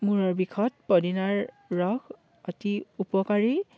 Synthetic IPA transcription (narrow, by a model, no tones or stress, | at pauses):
muɹɔɹbikʰɔt̚pɔdinaɹ | ɹɔk | ɔtiupɔkaɹi